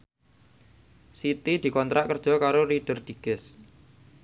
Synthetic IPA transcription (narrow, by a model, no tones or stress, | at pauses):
sit̪id̪̥i̤kɔnt̪ɾaʔkərd̥ʒ̥ɔ̤kaɾoɾid̥ə̤rd̪̥i̤ɡ̥ɪs